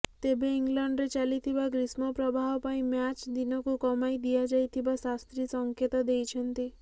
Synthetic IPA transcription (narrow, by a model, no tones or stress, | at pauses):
t̪ebeiŋɡlɔɳɖɾet͡ʃalit̪ʰibaɡɾismɔpɾɔbʱaɦɔpaĩmjat͡ʃd̪inɔkukɔmajd̪ijad͡ʒajt̪ʰibasast̪ɾisɔŋket̪ɔd̪ejt͡ʃʰɔnt̪i